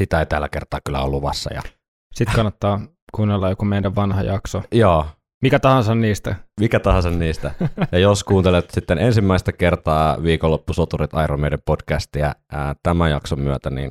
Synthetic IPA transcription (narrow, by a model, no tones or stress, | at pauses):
sit̪æeit̪ælːækert̪ɑːkylːæ̰o̰lːuʋɑ̰sːɑ̰jɑ̰ | sit̪kɑnːɑt̪ːɑː | kuːnːelːɑjjokomendæʋʋɑnhɑ̰jɑksojoː | mikæt̪ɑhɑnsɑnniːst̪æmikæt̪ɑhɑnsɑnniːst̪æjɑjoskuːnt̪elet̪sit̪ːenensimːæist̪ækert̪ɑːʋiːkolːopːusot̪urit̪ɑˑjromeˑidempodkæst̪iæ̰əːt̪æmæjɑksomyøt̪ænḭːn